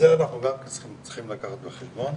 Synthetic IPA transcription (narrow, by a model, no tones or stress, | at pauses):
zeanaχnuɡamkant͡sχimt͡si̥χimlakaχat̪beχelbon